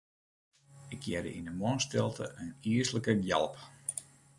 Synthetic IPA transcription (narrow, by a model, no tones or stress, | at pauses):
ɪkʰjɛdə̰ʔinəmɔnstɪlˠtʰə̰ʔəniəsləkəjɛ̰lˠp